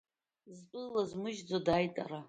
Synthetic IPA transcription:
zpʼɨzlazmɨʒd͡zodajtʼa̰ɾa

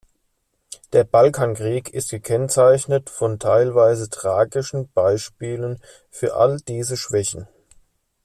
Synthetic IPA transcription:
d̥eːɐbalkʰaːnkʁ̥iːkʰɪstɡ̥əkʰɛnt͡saɪçnətfɔntʰaɪlvaɪzətʁ̥aːɡɪʃn̩b̥aɪʃpiːlən | fyːɐʔa̰ld̥iːzəʃv̥ɛçn̩

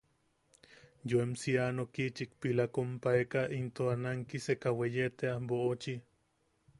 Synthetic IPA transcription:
joemsianokit͡ʃikpilakompaekaʔint̪oanaŋkisekawejet̪eaboot͡ʃi

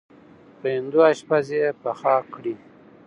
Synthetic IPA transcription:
pend̪uaɕpazepaxaːkɽi

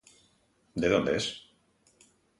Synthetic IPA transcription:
d̪eðond̪es

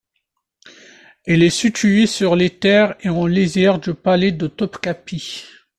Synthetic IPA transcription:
ɛlɛsit̪ʰyesyʁlet̪ɛːʁeɑ̃lezɛʁd̪əpaled̪ət̪ɔpkapi

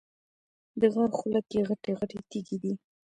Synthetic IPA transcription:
d̪əɣɑnxulakjeɣaʈeɣaʈet̪eɡid̪i

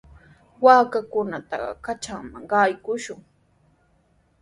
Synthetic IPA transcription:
waːkakʊnat̪ɑ̰ɢɑ̰kat͡ʃaŋmaŋɢɑjkʊʃʊŋ

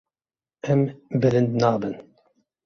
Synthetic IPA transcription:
ɛmbɨɾɨnd̪nɑːbɨn

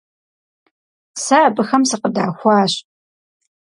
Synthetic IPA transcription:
saːbɨxɐmsɨqəda̰ːxʷɑːɕ

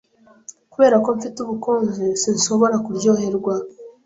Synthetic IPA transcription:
kuβe̞ːɾako̞ɱfituβukoːnzesinso̞βo̞ɾakuɾɟo̞ːhe̞ɾɡwa

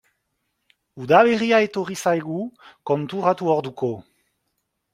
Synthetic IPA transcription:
uðaleʁiae̞t̪orisajɣukont̪uʁat̪uoɾd̪uko

